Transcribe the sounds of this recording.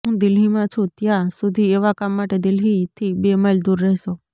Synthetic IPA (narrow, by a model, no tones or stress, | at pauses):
ɦũd̪ɪlɦimãt͡ʃʰũt̪jãsʊd̪ʱieʋakamːaʈed̪ɪlɦit̪ʰibeməd͡ʒd̪uɾːəɦɛso